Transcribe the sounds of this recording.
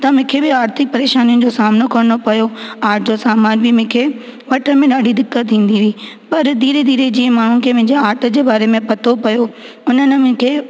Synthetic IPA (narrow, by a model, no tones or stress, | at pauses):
t̪ɐmɪ̃kʰebɪaːɾt̪ʰɪk̚pɐɾeːʃaːnijʊnɪ̆d͡ʑosaːmɪnokɐɾnopɐjoaːɾʈʰd͡ʑosaːmaːnbɪmɪ̃kʰe | ʋɐʈʰəmẽɗaːɖʱid̪ɪkːət̪ʰːĩːn̆d̪iʋiː | pɐɾd̪iːɾed̪iːɾed͡ʑĩːə̃maːɳ̤uɪ̆kʰeːmɪ̃ɦɪ̃ɲd͡ʑeaːɾʈʰə̆d͡ʑeːbaːɾemẽpɐt̪ʰopɐjo | ʊnənɪ̆mɪ̃kʰeː